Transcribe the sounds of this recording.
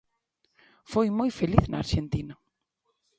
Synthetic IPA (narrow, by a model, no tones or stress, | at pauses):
fojmojfeliθnaaɾʃent̪inɐ